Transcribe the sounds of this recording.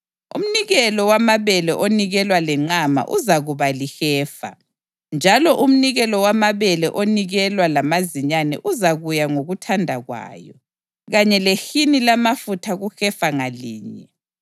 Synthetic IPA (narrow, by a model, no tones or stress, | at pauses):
ṵm̩niɣɛlɔwamaβɛlɛʔoniɣɛlwalɛŋ͡ǀama̰ʔuzaɣuβalixɛːfa̰ | nd͡ʒʱalɔʔum̩niɣɛlɔwamaβɛlɛʔoniɣɛlwalamaziɲanɛ̰ʔuzaɣujaŋoɣutʰandʱaɣwa̰ːjɔ | ɣaɲɛlexinilamafutʰaɣuxɛfaŋaliːɲɛ